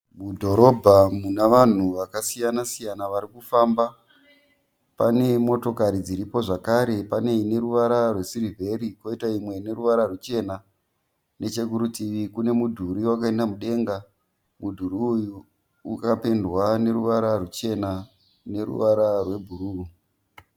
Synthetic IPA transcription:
mudʱo̞ɾo̞bʱamunaʋan̤uʋakasijanasijanaʋaɾikufaːmba | pane̞mo̞to̞kaɾid͡ziɾipo̞ʐakaɾe̞pane̞ine̞ɾuʋaɾarwe̞sirivʱe̞ɾikwo̞itaimwe̞ne̞ɾuʋaɾarut͡ʃe̞na | ne̞t͡ʃe̞k̬uɾutiʋikune̞mudʱuɾiwak̬ae̞ndamuɗe̞ŋɡa | mudʱuɾiju | ṵkapendwane̞ɾuʋaɾarut͡ʃe̞na | ne̞ɾṵʋaɾarwe̞bʱuɾu

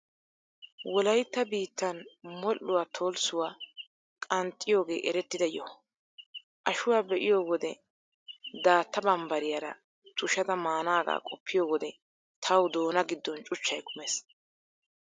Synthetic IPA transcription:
wɔlɐjt̪ːɐbiːt̪ːɐnmɔlːʊwaːt̪ʰo̞ːlsʊwaː | kʼɐnt̪ʼːɪjo̞ːɡe̞̰ːʔɛɾɛt̪ːɪd̪ɐjɔ | ʔɐʃʊwaːbɛʔɪjo̞ːwɔd̪ɛ | d̪aːt̪ːɐbɐmbɐɾɪjaɾɐ̰ | t̪ʰʊʃɐd̪ɐmaːnaːɡa̰ːkʼɔpʰːɪjo̞ːwɔd̪ɛ | t̪ʰɐwd̪o̞ːnɐɡɪd̪ːɔnt͡ʃʼʊt͡ʃːɐjkʰʊmeːs

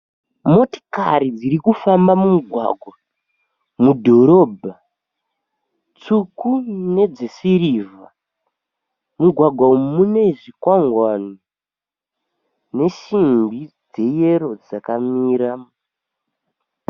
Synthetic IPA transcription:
mo̞ti̥kaɾid͡ziɾikufambamumuɡʱwa̰ɡʱwa | mudʱo̞ɾo̞ːbʱa | t͡sukune̞d͡zesiɾiːva | muɡʱwaɡʱwaumune̞ʐikwaŋɡwani | ne̞ʃimbid͡ze̞je̞ɾo̞d͡zakamiːɾa

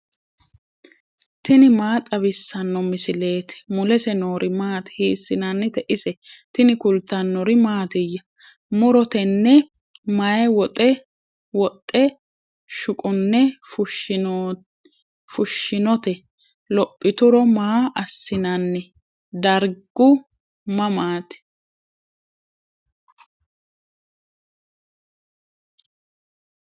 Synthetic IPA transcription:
t̪ɪnɪmaːt̪ʼɐβɪsːɐnːɔmɪsɪle̞ːt̪ɛ̥mʊlɛsɛnoːɾʔɪmaːt̪ɛ̥hiːsːɪnanːɛt̪ɛʔɪsɛt̪ɪnɪkʊlt̪ːɐnːɔɾɪmaːt̪ɪjːɐ | mʊɾɔt̪ɛnːɛ | mɐjɛwɔt̪ʼɛ | wɔt̪ʼːɛ | ʃʊkʼɔnːɛfʊʃ | fʊʃːɪnɔt̪ɛ | lɔpʼːɪt̪ʊɾɔmaːʔɐsːɪnɐnːɛ | d̪ɐɾɡʊ | mɐmaːt̪ɛ̥

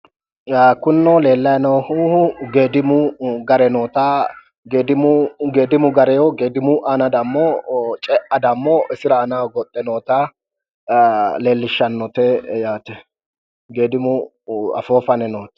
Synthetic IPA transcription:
akʊnːɔle̞ːlːɐjnɔwhuːhʊɡeːd̪ɪmʊɡɐɾɛnoːt̪aː | ɡeːd̪ɪmʊɡeːd̪ɪmʊɡɐɾɛjɔɡeːd̪ɪmʊʔɐnɐd̪ɐmːɔt͡ʃʼɛʔɐd̪ɐmːɔʔɪsɪɾɐːnawɡɔt̪ʼːɛnoːt̪a | le̞ːlːɪʃːɐnːɔt̪ɛjaːt̪ɛ | ɡeːd̪ɪmʊ | ɐ̰foːfɐnɛnoːt̪ɛ̥

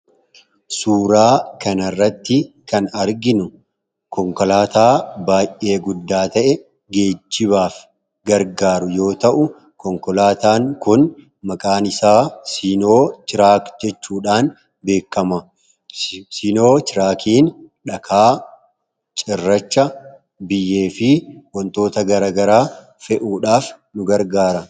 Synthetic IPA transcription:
suːɾaːkɐnɐrːɐt̪ːɪ | kɐnɐɾɡɪnʊ | kɔŋkɔlaːt̪aːbaːjʔʔe̞ːɡʊd̪ːaːt̪ɐʔɛ | ɡe̞ːt͡ʃːɪβaːf | ɡɐɾɡaːɾʊjo̞ːt̪ɐʔʊ | kɔŋkɔlaːt̪aːŋkʊn | mɐkʼaːnɪsaːsino̞ːt͡ʃɪɾaːkd͡ʒɛt͡ʃːuːᶑaːn | be̞ːkːɐmɐ | sino̞ːt͡ʃɪɾaːkiːn | ᶑɐkʰaː | t͡ʃʼɪrːɐt͡ʃːɐ | bɪjːe̞ːfɪwɐnt̪o̞ːt̪ɐɡɐɾaːɡɐɾaː | fɛʔuːᶑaːf | nʊɡɐɾɡaːɾɐ

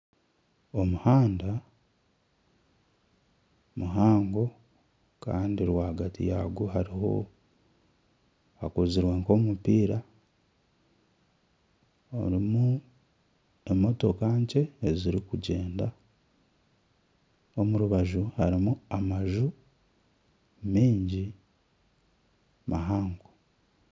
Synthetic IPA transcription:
o̞muhaːnda | muɦaːŋɡo̞ | ka̰ːndiɾwaːɡatḭjaɡuhaɾiho̞̰ | akoziɾweːŋko̞ːmupiːɾa | o̰ɾimu | e̞mːo̞tokaːɲce̞ːziɾikuɟe̞ːnda | omuɾuβaʒuhaɾimuamaʒu | miːɲɟi | mʔaɦaːŋɡo

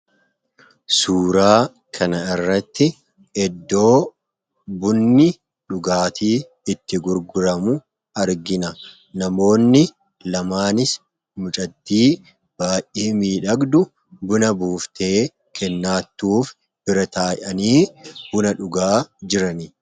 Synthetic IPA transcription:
suːɾaː | kʰɐnɐɪrːɐt̪ːɪ | ɛd̪ːo̞ː | bʊnːɪ | ᶑʊɡaːt̪iː | ɪt̪ːɪɡʊɾɡʊɾɐmʊ | ɐɾɡɪnɐ | nɐmo̞ːnːɪ | lɐmaːnɪs | mʊt͡ʃʼɐt̪ːiː | b̥aːjʔʔeːmiːᶑɐɡd̪ʊ | bʊnɐbuːft̪eː | kʰɛnːaːt̪ːuːf | b̥ɪɾɐt̪aːjʔɐniːbʊnɐᶑʊɡaːd͡ʒɪɾɐni

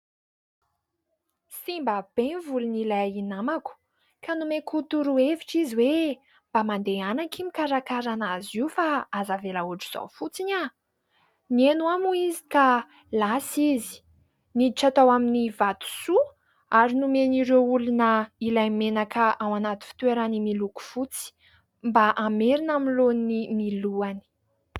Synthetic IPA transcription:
simbab̥evulunilajinamaku̥ | kanumekut̪uɾueviʈ͡ʂiziwe | mb̥amand̪eanakimikaɾakaɾanaziufaazavelauaʈ͡ʂu̥z̥a̰fut͡siɲa | nienuamuizi̥ka | lasizi̥ | niiʈ͡ʂat̪awaminivat̪u̥su | aɾinumeniɾeulunəilajmenakəʔawanat̪i̥fi̥t̪weɾanimiluku̥fut͡si̥ | mbaʔameɾinaminlonimiluani̥

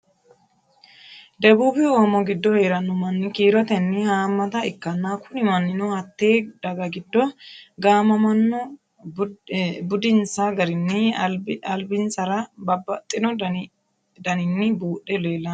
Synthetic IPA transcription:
d̪ɛbuːbɪoːmɔɡɪd̪ːɔhe̞ːɾɐnɔmɐnːɪkiːɾɔt̪ɛnːɪhaːmːɐt̪ɐɪkːɐnːaːkʊnɪmɐnːɪnɔhɐt̪ːeːd̪ɐɡɐɡɪd̪ːɔɡaːmɐmɐnːɔ | bʊd̪ɪnsaɡɐɾɪnːɪɐlbɪnsɐɾɐbɐbɐt̪ʼːɪnɔ | d̪ɐnɪnːɪbuːɗɛle̞ːlːɐn

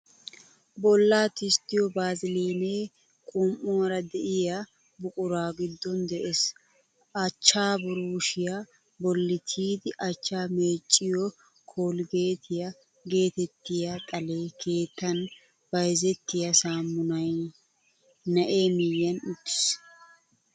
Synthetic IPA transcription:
bɔlːaːt̪ɪst̪ːɪjɔbaːzɪleːneː | kʼʊmʔʊwɐɾɐd̪ɛʔɪja | bʊkʼʊɾaːɡɪd̪ːɔnd̪ɛʔes | ɐt͡ʃːaːbʊɾuːʃɪja | bɔlːɪt̪ʰiːd̪ɪʔɐt͡ʃːaːme̞ːt͡ʃʼːɪjɔ | kʰoːlɡe̞ːt̪ʰɪjɐ | ɡe̞ːt̪ɛt̪ːɪjɐt̪ʼɐle̞ːkʰe̞ːt̪ːɐn | b̥ɐjzɛt̪ːɪjɐsaːmːʊnɐj | nɐʔe̞ːmɪjːɐnʊt̪ːɪ̥s

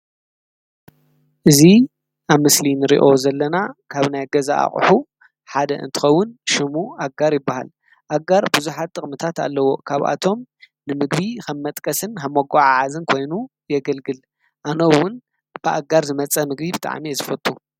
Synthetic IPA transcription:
ʔɨzi | ʔaβmɨslinɨɾḭʔo̞zɐlːɐnakʰaβnajɡɐza̰a̰χʼħu | ħad̪ɐ̰ʔɨ̰nt̪ʰɨ̥xɐwːʊnʃɨmuaɡaɾjɪbːaha̰l | ʔaɡaɾbɨzuħat̪ʼːɨχʼmɨt̪ʰat̪a̰lːɐwo̞kʰaβʔa̰t̪ʰo̞m | nɨmɨɡbixɐmːɐt̪ʼkʼɐsɨnxɐmːoɡaʕaʕazɨnkʰo̞jnu | jɛɡɐlɡɨl | ʔanowːʊn | b̥ɨʔaɡaɾzɨmɐt͡sʼɐmɨɡbibɨt̪ʼa̰ʕmizɨfɐt̪ʼːu

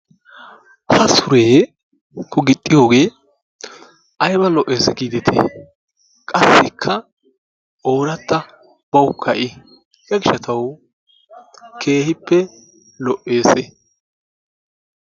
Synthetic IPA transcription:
hɐsʊɾeː | kʰʊɡɪt̪ʼːɪjo̞ːɡe̞ː | ʔɐjbɐlɔʔːe̞ːsɛɡiːd̪ɛt̪ʰḛ | kʼɐsːɪkʰːɐ | ʔo̞ːɾɐt̪ːɐ | b̥ɐwʊkʰːɐʔɪ | jɐɡɪʃɐt̪ɐw | kʰe̞ːhɪpːɛ | lɔʔːe̞ːsɛ

